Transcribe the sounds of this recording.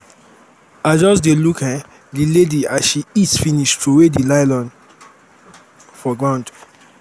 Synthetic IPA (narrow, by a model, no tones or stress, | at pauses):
ad͡ʒɔs̬delukhɛ | dilediaʃiitsfĩniʃtʰowedilaɪlɔ̃n | fɔɡɹãʊ̃nd